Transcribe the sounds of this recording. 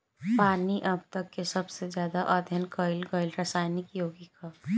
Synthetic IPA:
paːniʔɐb̚t̪ɐkːesɐbsed͡ʒjaːd̪aʔɐd̪ʱjənkəɪlɡəɪlɾɐsaːjnɪkjoːɡika

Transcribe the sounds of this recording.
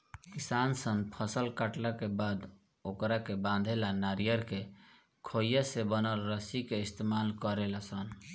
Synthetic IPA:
kisansənpʰəsəlkaʈlakebad̪ | okɾakebãnd̪ʱelanaɾijəɾke | kʰojəsebənəlɾəsikeist̪emalkəɾelasən

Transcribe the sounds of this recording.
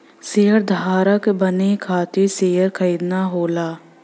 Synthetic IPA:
seːɦəɾd̪ʱaːɾəkbənekʰaːt̪iseːɦəɾkʰəɾiːd̪naɦoːlaː

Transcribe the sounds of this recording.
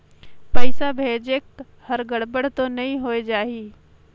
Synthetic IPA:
pəɪsabʱeːd͡ʒek̚ | həɾɡəɽbəɽ̤t̪onɐɦĩɦoːed͡ʒaːɦiː

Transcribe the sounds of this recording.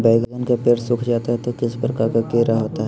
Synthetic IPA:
bɛɪɡəɡənkepeːɾsʊkʰd͡ʒaːt̪aɦɛt̪okɪspɾəkaɾkakeːɾaɦoːt̪aɦɛ

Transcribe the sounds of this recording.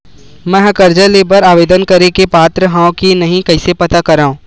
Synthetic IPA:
mɛ̃ɦkɐɾd͡ʒəleːbəɾaːʋeːd̪ənkɐɾekepaːt̪ɾəɦãːõkinɐɦĩkɐɪsepɐt̪akɐɾaːũː

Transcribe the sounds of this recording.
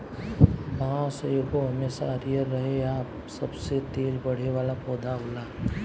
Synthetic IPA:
ʋɐɦãseekoɦɐmeːsa̰əɾijəɾːɐɦeaːp | sɐbset̪eːlbɐɽ̤eʋaːlapɔːd̪ʱaɦʊlaː

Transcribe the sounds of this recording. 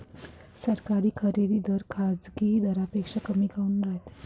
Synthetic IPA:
səɾkaɾiːkʰəɾed̪id̪əɾkʰad͡zɡid̪əɾapekʂakəmiɡaunɾaɦet̪

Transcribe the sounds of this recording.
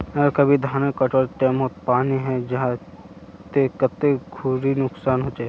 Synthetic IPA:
əkɐbʱid̪ʱaːnekɐʈoːɾʈ̪ɛːmoːt̪paːniɦɛ̃d͡ʒɐɦã | t̪ekɐt̪ːeɡʱuɾinʊksaːnɦoːd͡ʒaːe

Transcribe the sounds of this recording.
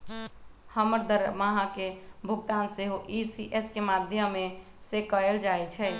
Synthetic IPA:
həməɾd̪əɾmaɦakebʱuɡt̪anseɦoʔisiʔeskemad̪ʱjəmːe | sekəeld͡ʒajt͡ʃʰɛ

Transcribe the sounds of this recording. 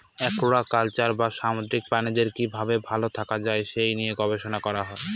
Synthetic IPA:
ɛkoɽakalt͡ɕaɾbaʃamod̪ɾik̚panid̪eɾkibʱabebʱalot̪ʰakad͡ʑaeʃejnijeɡɔbeʃonakɔɾaɦɔe

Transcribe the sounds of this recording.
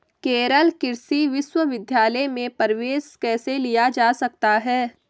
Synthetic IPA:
keːɾəlkɪɾsiʋɪʃwəʋɪd̪ʱjaːləjmẽpɐɾʋeːskɛːselijad͡ʒaːsɐk̚t̪aɦɛː

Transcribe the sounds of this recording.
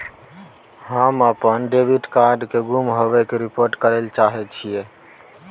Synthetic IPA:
ɦamapənɖebʱiʈkaɾɖkeɡumɦobɛkeɾipoɾʈkəɾelt͡ʃaɦɛt͡ʃʰije

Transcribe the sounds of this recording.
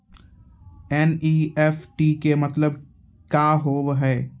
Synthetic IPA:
ɛniːɛːfʈiːkemɐt̪ləb̚ | kaːɦoːʋɦɛː

